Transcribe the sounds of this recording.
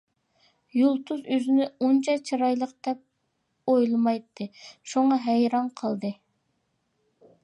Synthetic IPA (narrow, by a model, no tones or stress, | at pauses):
julˠt̪ʰuzøzɪnɪont͡ʃʰɑt͡ʃʰɑɾɑjlˠəqd̪ɛp̚ | ojlˠmɑjt̪ʰːɨʃuŋɑɦɛjɾɑnqʰəlˠd̪ɨ